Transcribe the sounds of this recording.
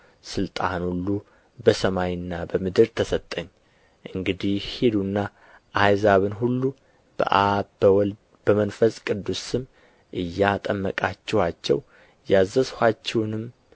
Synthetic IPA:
sɨlt̪ʼanhulːu | bəsəmajɪnːabəmɨd̪ɨɾt̪ʰəsət̪ʼːəɲː | ʔɨŋɡɨd̪ihhed̪unːa | ʔajzaβɨnɦulːu | b̥ə̰ʔabəwɔl | bəmənfəsʼkʼɨd̪ːusɨm | ʔɨjːat̪ʼəmːəkʼat͡ʃːɛwat͡ʃːɛ̰w | jazːəshʷat͡ʃːɛwnɨm

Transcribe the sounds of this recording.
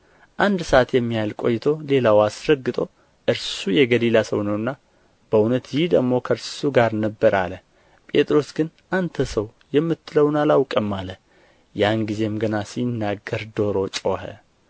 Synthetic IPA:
ʔand̪səat̪jɛmːihalkʼo̞̰jːɪt̪ʰo̞le̞lawasɾəɡːɨt̪ʼo̞ | ʔɨɾsujɛɡəlilasəwnəwɨnːa | b̥əunət̪jɪhd̪əɡmo̞kʰəɾssuɡaɾnəbːəɾa̰lə | pʼe̞t̪ʼɾo̞sɡɨn | ʔant̪ʰəsəwjɛmːɨt̪ʰːɨləwnalawkʼəmːalə | janɡize̞mɡənasinːaɡːəɾd̪o̞ɾo̞t͡ʃʼo̞hə̰

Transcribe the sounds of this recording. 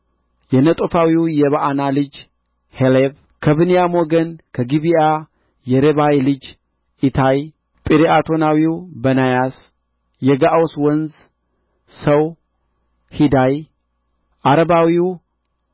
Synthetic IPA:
jɛnət̪ʼofawiwjɛβaʔanalɨd͡ʒ | heleb | kʰəβɨnijamoɡənkʰəɡiβija | jɛɾeβawlɨd͡ʒ | it̪ʰaj | pʼiɾiat̪ʰo̞nawiwbənajas | jɛɡaʔoswɔnz | səw | hid̪aj | ʔaɾəβawiw

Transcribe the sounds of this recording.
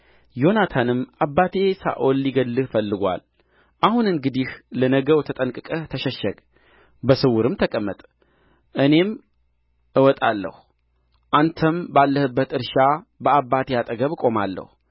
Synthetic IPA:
jo̞nat̪ʰanɨmʔabːat̪ʰe̞sa̰ʔolːiɡəlːɨhfəlːɨɡʷa̰l | ʔahunɨŋɡɨd̪ihlənəɡəwt̪ʰət̪ʼənkʼɨkʼət̪ʰəʃɛʃːəɡʼ | bəsɨwʊɾɨmt̪ʰəkʼəmːət̪ʼ | ʔɨne̞m | ʔɨwɔt̪ʼalːə̰hu | ʔant̪ʰəmbalːəhɨbːət̪ɨɾʃabəabːat̪ʰejat̪ʼəɡəβkʼo̞malːə̰hu

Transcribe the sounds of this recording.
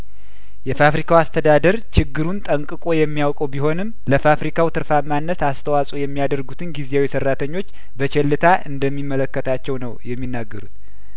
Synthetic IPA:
jɛfafɾikʰawast̪ʰəd̪ad̪əɾt͡ʃɪɡːɨɾunt̪ʼəŋkʼɨkʼo̞jɛmːijawkʼəwbiho̞nɨmləfafɾikʰawt̪ʰɨɾfamːanːət̪ast̪ʰəwasʼojɛmːijad̪əɾɡut̪ʰɨnɡizejawisərːat̪ʰəɲːo̞t͡ʃː | bət͡ʃɛlːɨt̪ʰaʔɨnd̪əmːimːələkːət̪ʰat͡ʃːɛwnəwjɛmːinːaɡːəɾut̪

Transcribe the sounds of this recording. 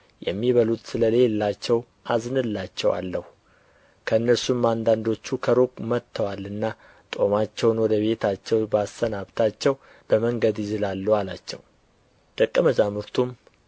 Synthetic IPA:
jɛ̰mːiβəlut̪sɨləle̞lːat͡ʃːɛw | ʔaznɨlːat͡ʃːɛwa̰lːəhu | kʰəɨnːəɾsumand̪and̪o̞t͡ʃːukʰəɾokʼmət̪ʰːəwalːɨnːa | t̪ʼo̞mat͡ʃːɛwnwɔd̪əβe̞t̪ʰat͡ʃːɛwbasːənaβt̪ʰat͡ʃːɛw | b̥əməŋɡəd̪ɪzɨlalːualat͡ʃːɛ̰w | d̪̥əkʼːəməzamɨɾt̪ʰum

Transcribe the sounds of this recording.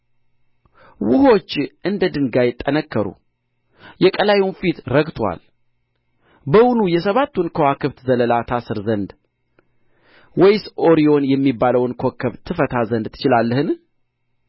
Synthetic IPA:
wʊho̞t͡ʃːʔɨnd̪əd̪ɨŋɡajɪt̪ʼːənəkːəɾṵ | jɛkʼəlajunfit̪ɾəɡt̪ʰwa̰l | bəwunujɛsəβat̪ːunkʰəwakʰɨβt̪zələlat̪ʰasɨɾzənd̪ | wɔjsoɾio̞njɛmːibːaləwnkʰo̞kʰːəβt̪ʰɨfət̪ʰazənd̪t̪ʰːɨ̥t͡ʃɪlalːəhɨn

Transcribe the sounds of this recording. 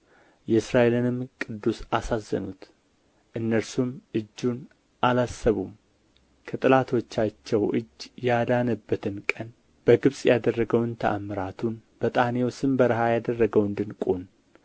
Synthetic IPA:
jɛɨsɾaʔe̞lɨnɨmkʼɨd̪ːusasazːə̰nut̪ | ʔɨnːəɾsumʔɨd͡ʒːun | ʔalasːəβum | kʰət̪ʼɨlat̪ʰo̞t͡ʃːat͡ʃːɛwʔɨd͡ʒːjad̪anəbːət̪ʰɨnkʼən | b̥əɡɨβsʼjad̪ərːəɡəwɨnt̪ʰəʔamɨɾat̪ʰunb̥ət̪ʼahnewsɨmbəɾɨhajad̪ərːəɡəwɨnd̪ɨnkʼon

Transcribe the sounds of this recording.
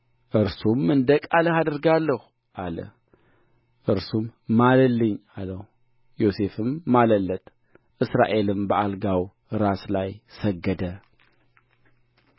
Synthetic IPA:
ʔɨɾsumɨnd̪ɐkʼalɐhad̪ɨɾɡalːɐx | ʔalɐ̰ | ʔɨɾsumːalɐlːɨɲalɐh | jo̞se̞fɨmːalɐlːɐt̪ʼ | ʔɨsɾa̰ʔe̞lɨmbɐʔalɡaw | ɾaslajsɐɡːɐd̪ɐ

